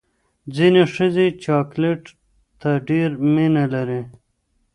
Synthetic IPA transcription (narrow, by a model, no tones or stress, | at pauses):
d͡zineʂəzet͡ʃɑkleʈ | t̪aɖeɾminalaɾi